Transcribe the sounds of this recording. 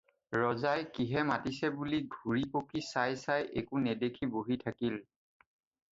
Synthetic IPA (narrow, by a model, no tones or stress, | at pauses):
ɹɔzajkiɦɛmatisɛbuliɡʱuɹipokisajsajʔekunɛdekʰiboɦitʰakil